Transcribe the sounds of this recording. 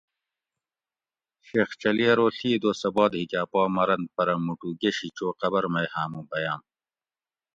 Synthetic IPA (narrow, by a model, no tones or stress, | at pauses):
ɕeːxt͡ɕɐliɐɾoːɬʰiːd̪oːsɐboːd̪hikʲaːpoːmɐɾɐnpɐɾɐmːuʈuːɡeɕit͡ɕoːqɐbɐɾmɐjhaːmũːbɐjaːm